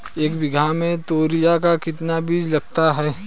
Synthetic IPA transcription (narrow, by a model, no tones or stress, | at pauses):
eːkbɪɡʱamẽt̪oːɾijakakɪt̪nabiːd͡ʒlɐɡ̚t̪aɦɛː